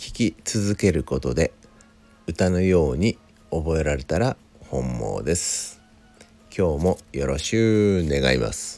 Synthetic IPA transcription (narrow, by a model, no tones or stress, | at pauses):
kʲi̥kʲit͡sɨzɨke̞ɾɯ̟ko̞t̪o̞d̪e̞ | ɯ̟t̪ano̞jo̞ːɲ̟i | o̞bo̞e̞ɾaɾe̞t̪aɾa | hõ̞mːo̞̰ːd̪e̞sɨ̥ | kʲo̞ːmo̞jo̞ɾo̞ɕkɯne̞ɡaima̰sɨ̥